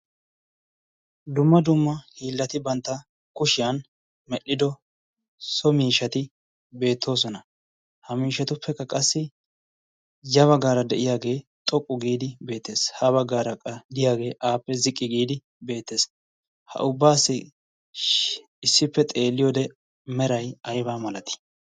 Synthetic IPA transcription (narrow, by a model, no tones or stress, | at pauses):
d̪ʊmːɐd̪ʊmːɐhiːlːɐt̪ɪbɐnt̪ːɐ | kʊʃɪjɐn | mɛɗɪd̪ɔ | sɔmiːʃɐt̪ɪ | be̞ːt̪ʰːo̞ːs̬ɔnɐ | hɐmiːʃːɐt̪ʊpːɛkːɐkʼɐsːɪ | jɐβɐɡaːɾɐd̪ɛʔɪjaːɡe̞ːt̪ʼɔkʼːʊɡiːd̪ɪbe̞ːt̪ːe̞ːshɐβɐɡːaːɾɐkʼɐd̪ɪjaːɡe̞ːʔaːpːɛzɪkʼːɪɡiːd̪ɪ | be̞ːt̪ːe̞ːs | hɐ̰ʔʊbːaːsːɪ | ɪsːɪpːɛt̪ʼe̞ːlːɪjod̪ɛ | mɛɾɐjɐjbaːmɐlɐt̪ɪ̥